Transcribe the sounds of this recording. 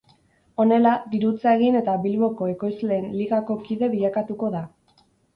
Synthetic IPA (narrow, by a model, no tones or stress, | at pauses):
o̞ne̞lad̪iɾut͡sae̞ɣ̞ine̞t̪aβilβo̞ko̞e̞ko̞jzle̞ːnliɣako̞kiðe̞βiʎakat̪uko̞ða